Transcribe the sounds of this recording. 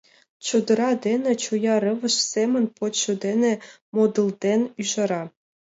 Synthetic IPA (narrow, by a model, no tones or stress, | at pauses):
t͡ɕud̪ɤ̆ɾɑd̪ʲenʲĕt͡ɕujɑɾɤ̆ʋɤ̆ʃsʲemʲɘ̆nʲpot̪ɕud̪enʲĕ | mod̪ɤlˠd̪ʲenʲyʒɤ̆ɾɑ